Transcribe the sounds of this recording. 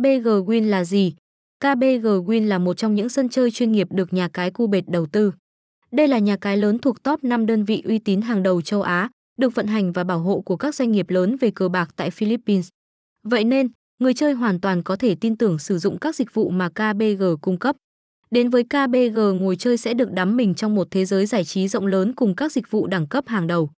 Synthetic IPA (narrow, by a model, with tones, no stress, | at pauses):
ɓe˧ɣəː˨˩ɣwi˧ənlaː˨˩zi˨˩ | kaː˧ɓe˧ɣəː˨˩ɣwi˧ənlaː˨˩mo˨˩t̚t͡ɕɔ˧wŋ͡mɲɨ̰˧˥ŋsə˧nt͡ɕəː˧jt͡ɕwi˧ənŋi˨˩əp̚ɗɨ˨˩ək̚ɲaː˨˩kaː˨˦jku˧ɓe˨˩t̚ɗə˨˩wt̪ɨ˧ | ɗə˧jlaː˨˩ɲaː˨˩kaː˨˦jləː˨˦nt̪ʰu˨˩ək̚t̪ɔ˦˥p̚na˧mɗəː˧nvḭ˧˨ʔwi˧t̪i˨˦nɦaː˨˩ŋɗə˨˩wt͡ɕə˧wʔaː˨˦ | ɗɨ˨˩ək̚və̰˧˨nɦa˨˩jŋ̟vaː˨˩ɓaː˧˩wɦo̰˧˨ku˧˩əkaː˦˥k̚zwa˧jŋ̟ŋi˨˩əp̚ləː˨˦nve˨˩kəː˨˩ɓaː˨˩k̚t̪a̰ː˧˨jfi˧li˦˥pːi˧ns | və̰˧˨jne˧n | ŋɨ˨˩əjt͡ɕəː˧jɦwaː˨˩nt̪waː˨˩nkɔ˨˦t̪ʰe˧˩t̪i˧nt̪ɨ˨˧˩əŋsɨ˧˩zʊ̰˧˨ŋ͡mkaː˦˥k̚zï˨˩k̟̚vṵ˧˨maː˨˩kaː˧ɓe˧ɣəː˨˩kʊ˧ŋ͡mkə˦˥p̚ | ɗe˨˦nvəː˨˦jkaː˧ɓe˧ɣəː˨˩ŋo˨˩jt͡ɕəː˧jsɛ̰˧˥ɗɨ˨˩ək̚ɗa˨˦mːï˨˩ŋ̟t͡ɕɔ˧wŋ͡mmo˨˩t̚t̪ʰe˨˦zəː˨˦jzaː˧˩jt͡ɕi˨˦zə̰˧˨wŋ͡mləː˨˦nkʊ˨˩ŋ͡mkaː˦˥k̚zi˨˩k̚vṵ˧˨ɗa˧˩ŋkə˦˥p̚haː˨˩ŋɗə˨˩w